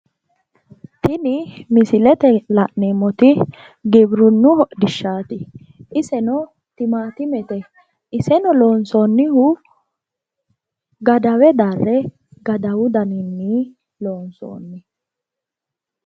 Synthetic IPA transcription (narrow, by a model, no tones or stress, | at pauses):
t̪ɪnɪmɪsɪlɛt̪ɛlɐʔneːmɔt̪ɪ | ɡɪbɾʊnːʊhɔʔd̪ɪʃːaːt̪ɪ | ʔɪsɛnɔ | t̪ɪmaːt̪ɪmɛt̪ɛ | ɪsɛnɔlo̞ːnsoːnːɪhʊ | ɡɐd̪ɐwɛd̪ɐrːɛ | ɡɐd̪ɐwʊd̪ɐnɪnːi | loːnso̰ːnːɪ